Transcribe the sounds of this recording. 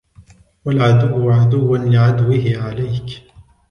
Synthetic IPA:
walʕad̪ʊwːʕad̪ʊwːanlɪʕad̪wɪhɪʕalajk

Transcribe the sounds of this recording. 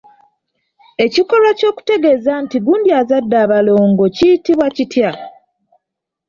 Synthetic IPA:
e̞ciko̞lwaco̞ːku̥te̞ɡe̞zantiɡuːndiaːzadːaːβalo̞ːŋɡo̞citiβwacitja

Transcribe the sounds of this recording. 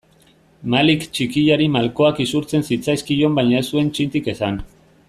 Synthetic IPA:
malikt͡ʃikiʎaɾimalko̞akisuɾt͡se̞nsit͡sajskiʎo̞mbajɲaesue̞nt͡ʃint̪ike̞san

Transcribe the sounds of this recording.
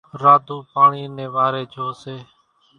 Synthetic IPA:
ɾaːd̪ʱuːpaːɳiːnẽːʋaːɾeːd͡ʒʱoːseː

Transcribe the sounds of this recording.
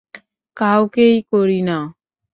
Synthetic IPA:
kaːokeikoːɾiːnaː

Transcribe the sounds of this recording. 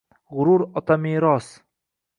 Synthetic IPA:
ʁʊɾuɾɒt̪ʰamiɾɒs

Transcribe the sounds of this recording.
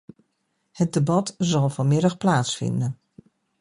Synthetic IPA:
hət̚debɑtzɔlˠfɔnmɪɾəxplaːtsfɪ̰ndən

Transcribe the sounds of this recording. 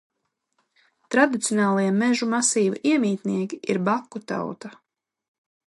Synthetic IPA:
t̪ɾad̪it̪sʲjɔnaːlˠiɛmɛʒumasiːvḭʔiɛmʲiːt̪niɛkʲiʔiɾbakːut̪a̰wt̪a

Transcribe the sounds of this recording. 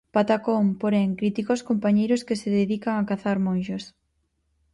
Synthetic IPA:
pat̪akompoɾeŋkɾit̪ikoskompaɲejɾʊskeseðeðikaŋakaθaɾmõnʃos

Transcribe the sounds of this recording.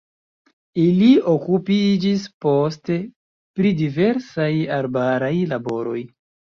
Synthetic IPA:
iliokupid͡ʒispo̞ste̞ | pɾidive̞ɾsajaɾbaɾajlabo̞ɾo̞̰j

